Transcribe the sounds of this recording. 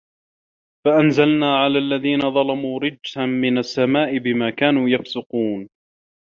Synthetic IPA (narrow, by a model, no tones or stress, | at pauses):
faʔanzalnaːʕalaːlːaðiːnaðˤɑlɑmuːɾɪd͡ʒhanmɪnasːamaːʔɪbɪmaːkaːnuːjɑfsʊquːn